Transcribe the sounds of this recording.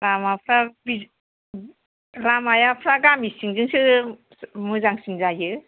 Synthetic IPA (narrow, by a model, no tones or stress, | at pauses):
ɾamapʰɾabi | ɾamajapʰɾaɡamisiŋzɯŋsɯ | muzaŋsinzajɯ